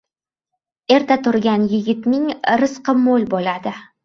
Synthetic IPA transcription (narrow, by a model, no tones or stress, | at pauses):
e̞ɾt̪ʰat̪ʰʊɾɡʲanjɪɡʲɪt̪mɪŋɾɨsqɨmolˠbolad̪ɪ